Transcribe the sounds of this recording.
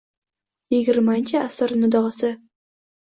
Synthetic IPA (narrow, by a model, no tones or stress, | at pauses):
jɪɡʲɪɾmaɪnʲt͡ʃʰɪasɪɾnʊd̪ɒʁsɪ